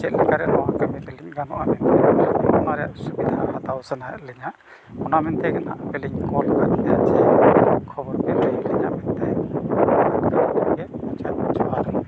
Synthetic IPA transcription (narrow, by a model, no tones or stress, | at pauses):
t͡ʃɛt̪̚lɛkaɾɛʔlɔwakamɛt̪ɛliɲɡanɔʔamɛnt̪ɛɛɔnaɾɛjaʔsubid̪ʱahat̪awsənajaʔlɛɲaʔ | ɔnamɛnt̪ɛɡanaʔbɛliɲkɔlnad̪inaʔt͡ʃɛkʰɔbɔɾkɛləjlɛɲaʔmɛnt̪ɛ | akakɔɡɛʔɔt͡ʃat̪d͡ʒɔwaɾɔ